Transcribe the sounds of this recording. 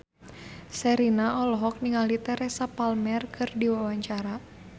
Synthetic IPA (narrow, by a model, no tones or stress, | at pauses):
sɛɾinaɔlɔɦɔk̚niŋalit̪ɛɾɛsapalmɛrkʰɨrdiwawaɲt͡ʃaɾa